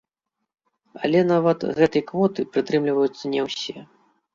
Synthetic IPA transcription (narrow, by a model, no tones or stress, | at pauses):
a̰lʲɛnavɐt̪ɣɛt̪ɐjkvɔt̪ɨpɾɨt̪ɾɨmlʲivɐjut̪sːɐnʲɛwsʲɛ